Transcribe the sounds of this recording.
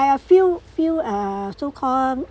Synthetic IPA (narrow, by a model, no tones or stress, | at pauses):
jəfilfiləsokʰɔ